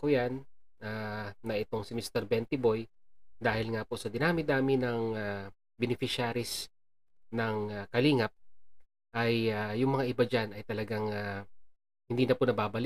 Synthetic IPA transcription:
kʊjanʔaːɐʔɪt̪o̞ŋsɪmist̪ɛɾbɛnt̪ɪbo̞jd̪aːhɪlŋaposɐd̪ɪnaːmɪd̪aːmɪnɐŋa | bɪnɪfɪʃaːɾɪs | nɐŋakɐliːŋɐp̚ | ʔɐjaːʊŋmɐŋaʔɪbad͡ʒanɐjt̪ɐlɐɡaŋa | hɪnd̪iːnɐponɐbaːbɐlɪk̚

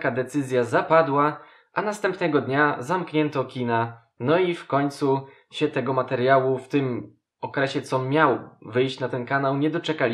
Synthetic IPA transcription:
kad̪ɛt̪sɘzʲjazapad̪wa | ʔanast̪ɛmpnɛɡɔd̪ɲazamkɲɛnt̪ɔkʲina | nɔifkɔɲt̪su | ɕɛt̪ɛɡɔmat̪ɛɾjawuft̪ɘm | ɔkɾɛɕɛt̪sɔmʲjawvɘjɕt͡ɕnat̪ɛnkanawɲɛd̪ɔt͡ʂɛkalʲi

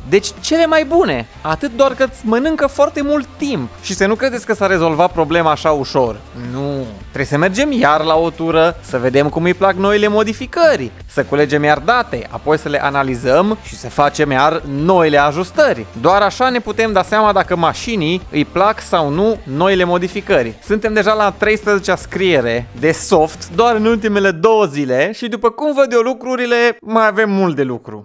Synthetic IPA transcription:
d̪e̞t͡ʃʲt͡ʃe̞le̞majbune̞ | at̪ɨt̪̚d̪oarkɨsʲmənɨŋkəfoart̪e̞mult̪ːimpʃisənukɾe̞d̪e̞tsʲkəsare̞zo̞lvat̪̚pɾo̞ble̞maːʃauʃo̞rnut̪ɾebesəme̞rd͡ʒe̞mjarlaot̪uɾəsəve̞d̪e̞mkumɨjplakno̞jile̞mo̞d̪ifikərʲ | səkule̞d͡ʒe̞mjard̪at̪e̞̰a̰po̞jsəle̞ʔanalizəmʃi̥səfat͡ʃe̞mjarno̞ile̞aʒust̪ərʲd̪oaɾaʃane̞put̪e̞md̪aseamad̪akəmaʃiniɨjplaksawnuno̞ile̞mo̞d̪ifikəɾʲsunt̪e̞md̪e̞ʒalat̪ɾe̞jspɾəzet͡ʃeaskɾie̞ɾe̞d̪e̞so̞ft̪d̪oaɾɨnult̪̬ime̞le̞d̪o̞wəzile̞ʃid̪upəkumvəd̪jo̞lukɾuɾile̞majave̞mːult̪̚d̪e̞lukɾṵ

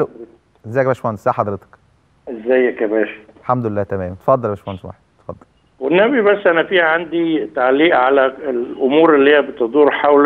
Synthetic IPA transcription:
ʔæl | ʔezːæːjk̚bæːʃfænzæːħɑd̪ˤɾet̪ɑ̥k | ʔezːæjːækæbæːʃi̥lħamd̪olelːæːt̪æmæːmt̪e̥fɑd̪ˤːɑlbæʃfænsma̰ħt̪e̥fɑd̪ˤːɑl | wenːæbibæsːʔænæfiːhæʕand̪it̪aʕliːʔʕalæelʔomuːɾelːihejːæbet̪ed̪ˤuːɾħawl

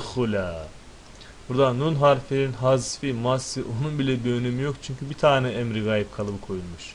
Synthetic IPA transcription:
xulʲa | b̥uɾd̪anunɦaɾfeninɦazfimasːɯʔo̞nunbilʲɛbønymijo̞kt͡ʃʰyɲcʰybit̪ʰaːnɛɛmɾiɡaːjip̚kʰalˠɯbɯkʰo̞julˠmuʃ

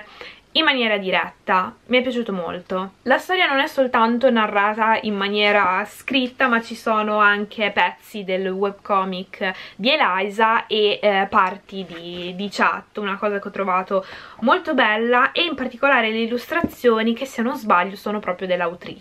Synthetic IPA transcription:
imːanjɛːɾad̪iɾɛ̰t̪ːamiɛpːjat͡ʃuːt̪omo̰lt̪olast̪ɔːɾjanonɛsːolt̪ant̪onarːaːt̪aimːanjɛːɾaskɾit̪ːamat͡ʃːisoːnoaŋk̟ʰepɛt̪sːid̪elwɛbkɔːmikːd̪ielaajzaʔepart̪id̪id̪it͡ʃa̰t̪ːunakɔːzakeɔt̪ːɾovaːt̪omolt̪obɛlːaʔeimpart̪ikolaːɾeleilːust̪ɾat̪sːjoːnik̟esːianozbaʎːosoːnopɾɔːpɾjod̪elːawt̪ɾḭːt͡ʃ

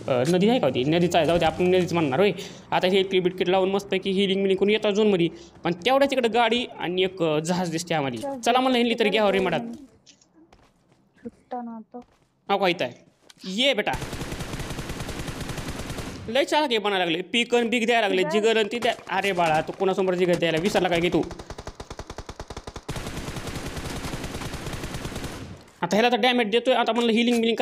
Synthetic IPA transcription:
nəd̪iːd͡zajkawt̪ḭnəd̪iːt͡sajd͡zawt̪iapənnəd̪iːt͡smanːaɾɦoj | at̪aelkɾibiʈ̚kiʈlauːnməspəjkiɦiliŋɡmiliŋkounjet̪ad͡zunməd̪ipəɳt̪jaʋɽat͡ɕikəɽeɡaɽiːa̰niekd͡zəɦad͡zd̪ist̪iamalḭt͡səlamənləɦinliːt̪əɾɡaəɾim̤əɽat̪̚ | t͡ɕʰuʈːnat̪o | awkait̪aj | jebeʈa | ləjt͡salakibəñajlaɡləpikənbiːkd̪jajlaɡləd͡ʑiɡələnt̪id̪aaɾebaɭat̪ukoɽ̃asombəɾd͡ʑiɡəd̪ajlaʋisaɾlakajkit̪u | at̪aɦɛlat̪aɖameʈ̚d̪et̪ojat̪am̤ənləɦiliŋɡmiliŋɡk

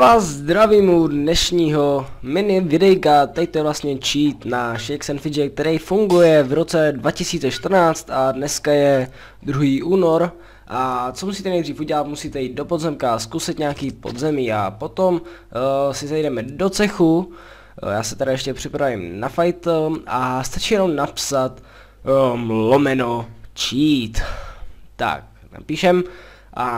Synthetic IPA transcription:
vaːzzd̪ɾaviːmudnɛʃɲiːɦo̞mɪnɪvɪdɛjkat̪ɛc̚t̪ojɛvlast̪ɲɛt͡ʃiːt̪naʃɛjksɛnfɪd͡ʒɛk̚t̪ɛɾɛjfuŋɡujɛvɾo̞t͡sɛdvacɪsiːt͡sɛʃt̪r̩naːt͡st̪adnɛskajɛ | d̪ɾuɦiːʔuːno̞ɾ | ʔat͡somusiːt̪ɛnɛjdriːfuɟɛlat̪musiːt̪ɛjiːt̪̚do̞pozɛmkaaskusɪt̪ɲaːkiːpo̞̰d̪zɛmiːa̰po̞t̪o̞m | sɪzɛjdɛmɛdot͡sɛxu | jaːsɛt̪ɛɾajɛʃcɛpr̝̥ɪpɾavɪmnafajt̪ʔast̪at͡ʃijɛnomnapsat̪ | mlomɛnot͡ʃiːt̪ː | a̰k̚ | na̰piːʃɛm | ʔa

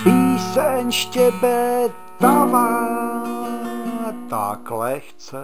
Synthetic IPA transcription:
piːsɛɲʃcɛbɛ | t̪ava | t̪a̰klɛxt͡sɛ

